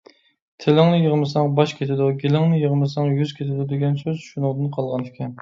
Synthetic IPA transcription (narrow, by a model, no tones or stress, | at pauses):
t̪ʰelɪŋnɨjəʁmɨsɑŋbɑʃkʲʰet̪ʰɪd̪uɡʲelɪŋnɨjəʁmɨsɑŋjyz̥kʲʰet̪ʰɪd̪ud̪eɡʲɛnsøzʃunʊd̪ɨnqʰɑlˠʁɑnfkʲʰɛn